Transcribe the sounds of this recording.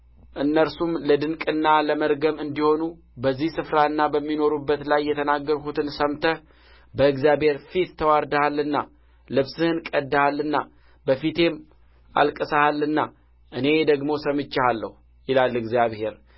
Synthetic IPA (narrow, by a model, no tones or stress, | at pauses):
ʔɨnːəɾsumləd̪ɨŋkʼɨnːaləməɾɡəmɨnd̪iho̞nu | bəzːihsɨfɾaɨnːabəmːino̞ɾubːət̪lajːɛt̪ʰənaɡːəɾkut̪ɨnsəmt̪ʰə | bəɨɡzjaβhe̞ɾfit̪t̪ʰːəwaɾd̪əhalːɨnːa̰ | lɨβsɨhɨnkʼəd̪ːahalːɨnːa̰ | bəfit̪ʰe̞m | ʔa̰lkʼəsahalːɨnːa | ʔɨne̞d̪əɡmo̞səmɨt͡ʃːahalːə̰hu | jɪlalːɨɡzjaβhe̞ɾ